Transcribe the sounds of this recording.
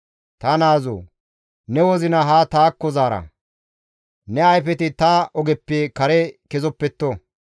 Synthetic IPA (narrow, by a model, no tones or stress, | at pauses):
t̪ɐnaːzo̰ː | nɛwɔzɪnɐɦaːt̪aːkːɔzaːɾɐ̰ | nɛɐjfɛt̪ɪt̪ɐʔɔɡɛpːeːkɐɾɛkɛzɔpːɛt̪ːɔ